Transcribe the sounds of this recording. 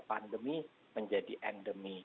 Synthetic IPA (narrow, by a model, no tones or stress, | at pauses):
pandəmi | məɲd͡ʒadiʔɛndəmi